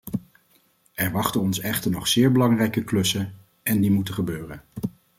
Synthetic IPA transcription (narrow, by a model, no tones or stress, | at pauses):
ɛɹʋɑχtənɔnsɛχtəɹnɔχsɪːɹbəlɑŋrɛjkəklɵsən | ɛndimutəχəbøːrən